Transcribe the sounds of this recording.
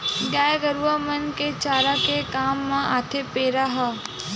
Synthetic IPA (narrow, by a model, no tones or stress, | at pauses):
ɡaːjɡəɾuamənket͡ʃaːɾakekaːmːãaːt̪ʰepeːɾaɦa